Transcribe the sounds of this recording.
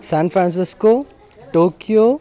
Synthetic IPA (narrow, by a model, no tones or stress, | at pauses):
sanpʰɾãns̬isko | ʈokijo